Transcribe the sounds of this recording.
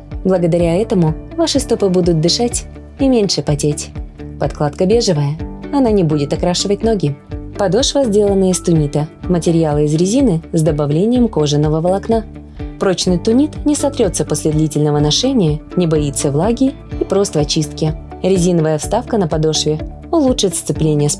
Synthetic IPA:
blˠəɡəd̪ɐɾʲaɛt̪əmʊvaʂɨst̪opɨbud̪ʊt̪̚d̪ɨʂatʲ | imʲenʲʂɨpɐtʲetʲpɐt̪klˠat̪kəbʲe̞ʐɨvəjəɐnanʲɪbudʲɪt̪akɾaʂɨvətʲno̞ɡʲɪpɐd̪o̞ʂvəzʲdʲe̞lˠənːəəɪst̪ʊnʲit̪əmətʲɪɾʲɪjalˠɨɪzɾʲɪzʲinɨzd̪əbɐvlʲenʲɪjəmko̞ʐɨnːəvəvəlˠɐkna | pɾo̞t͡ɕnɨjt̪ʊnʲit̪nʲɪsɐt̪ɾʲo̞t̪səpo̞sʲlʲɪd̪lʲitʲɪlʲnəvənɐʂɛnʲɪjənʲɪbait̪səvlˠaɡʲɪ | ipɾo̞st̪vɐt͡ɕist̪̚kʲɪ | ɾʲɪzʲinəvəjəfst̪afkənəpɐd̪o̞ʂvʲɪ | ʊlˠuʂɨt̪st̪sɨplʲenʲɪjəs

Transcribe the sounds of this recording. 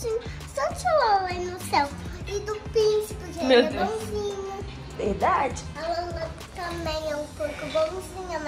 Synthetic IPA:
ĩ | sõt͡ʃiloẽnʊsɛwɪd̪ʊpiʃpʊʒẽmew̪bõw̃zĩɲɐ | veɾd̪ad͡ʒɪɐlɐ̃mbɐ | t̪ɐ̃mẽj̃ɛũpowkʊbõw̃zĩɲɐm

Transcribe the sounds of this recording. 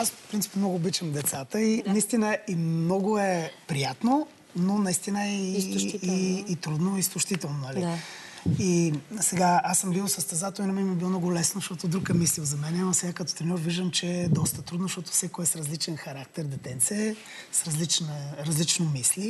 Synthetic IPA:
aspɾint̪i̥pmnɔɡʊːbit͡ʃəmd̪ɛt̪sat̪əinɐist̪inəimnɔɡʊɛpɾijat̪no | nonɐist̪inəii | t̪ɾud̪noist̪ʊʃt̪it̪ɛlˠnonɐli | isɛɡaasəmbilˠsəst̪ɛzat̪olˠinɐmɛnmɛbilˠɔmnɔɡolɛsnozʃt̪ɔt̪od̪ɾukɛmislilˠzɐmɛnɛimɐsɛɡakət̪o̥t̪ɾɛnʲɔɾviʒd̪əmt͡ʃɛd̪ɔst̪ət̪ɾud̪nzʃt̪ɔt̪o̥fsɛkoɛsɾɐzlit͡ʃɛnxɐɾakt̪ɛɾd̪ɛt̪ɛnt̪siə | sɾɐzlit͡ʃnəɾɐzlit͡ʃnomisli

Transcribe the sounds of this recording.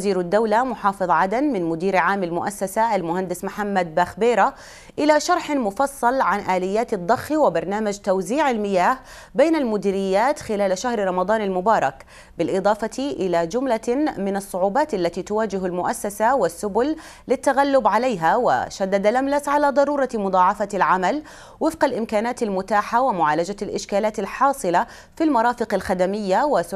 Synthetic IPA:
ziːɾad̪ːawlamʊħɑːfɨðˤʕad̪anmɪnmʊd̪iːɾʕaːmalmʊʔasːasaʔalmʊhand̪ɪsmħamːad̪̚baxbeːɾa | ʔɪlaʃɑɾˤħmʊfɑsˤːɑlʕanʔaːlɪjːaːt̪ɨd̪ˤːɑxːiwɪbɑɾˤnaːmad͡ʒt̪awziːʕalmɪjaːh | beːnalmʊd̪iːɾɪjːaːt̪xɪlaːlʃahɾɾˤɑmɑd̪ˤɑːnalmʊbɑːɾˤɑk | bɪlʔɨd̪ˤɑːfɑt̪iʔɪlad͡ʒʊmlamɪnɑsˤːʊʕuːbɑːt̪ʔalːat̪iːt̪ʊwaːd͡ʒɪɦalmʊʔasːasawɪsːʊbʊl | lɪt̪ːaɣalːʊbʕalajɦawɪ̰ʃad̪ːad̪alʔamlasʕalaːd̪ˤɑɾˤuːɾˤɑmʊd̪ˤɑːʕɑfalʕamal | wɪfqalʔɪmkaːnaːt̪almʊt̪aːħawɪmʊʕaːlad͡ʒalʔɪʃkaːlaːt̪alħɑːsˤɨla | filmɑɾˤɑːfɪqalxad̪amɪjːawɪ

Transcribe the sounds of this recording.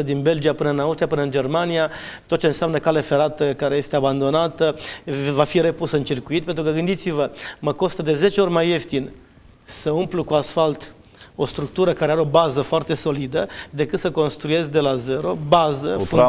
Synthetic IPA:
əd̪inbe̞ld͡ʒiapɨnəɨnauʃt͡ʃ̪iapɨnəɨnd͡ʒe̞rmania | t̪ot̪̚t͡ʃe̞ɨnseamnəkale̞fe̞ɾat̪əkaɾe̞je̞st̪eaband̪o̞nat̪əvafiɾe̞pusɨnt͡ʃirkuit̪̚pent̪ɾukəɡɨnd̪it̪sivəməko̞st̪əd̪e̞ze̞t͡ʃeo̞rʲmaje̞ft̪in | səumplukuasfalt̪ | o̞st̪ɾuk̚t̪uɾəkaɾeaɾeo̞bazəfoart̪e̞so̞lid̪əd̪e̞kɨt̪səko̞nst̪ɾuje̞zd̪e̞laze̞ɾo̞bazəf

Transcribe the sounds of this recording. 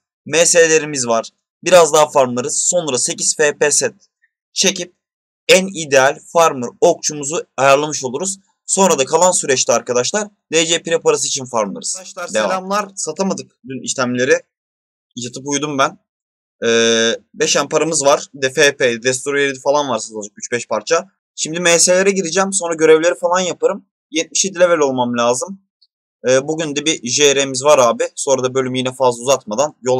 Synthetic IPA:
meselʲe̞ɾimizvaɾ̥ | biɾazd̪aɦafaɾmlˠaɾɯz̥so̞nɾase̞ciz̥fepesɛt̪̚ | t͡ʃʰe̞cip̚ | ænid̪ealʲfaɾmɯɾo̞k̚t͡ʃʰumuzuajaɾlˠamɯʃo̞lˠuɾuz̥ | so̞nɾad̪akʰalˠansyɾɛt͡ʃlʰʲiaɾkad̪aʃlˠaɾ | d̪ed͡ʒepiɾɛpaɾas̬ɯit͡ʃʰinfaɾmlˠa̰ɾɯz̥ad̪ɾamlˠaɾsat̪ʰamad̪ɯk̚d̪ynḭʃlʲæmlʲe̞ɾɪ | jat̪ʰɯp̬ujd̪umbæn | ɛːbɛʃænpaɾamɯzvaɾ̥d̪ɛfeped̪ɛd̪ɛs̬t̪ʰuɾojeɾid̪ifalˠanvaɾsat̪ʰɯlad͡ʒakyt͡ʃbɛʃpʰaɾt͡ʃʰa | ʃimd̪imeːselʲeɾɛɟiɾid͡ʒɛmso̞nɾaɟø̞ɾɛvlʲe̞ɾifalˠanjapaɾɯm | jɛt̪̚mi̥ʃed̪ilʲevɛlʲo̞lˠmamlʲaːzɯm | ɯːbuɟynd̪ɛbiʒeɾemizvaɾaːbiso̞nɾad̪abø̞lʲymjinɛfazlˠuzat̪mad̪anjo̞lˠ

